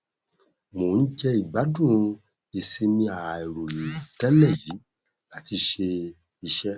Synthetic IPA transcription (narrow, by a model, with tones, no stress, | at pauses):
mo˨n̩˦d͡ʒɛ˧i˨ɡ͡ba˨˦dũ˦˨˧ | i˨se˧mĩ˧a˨a˨i˨ɾo˨li˨tɛ˦lɛ˦˨ji˨˦ | la˦˨ti˧ʃe˧ | i˧ʃɛ˦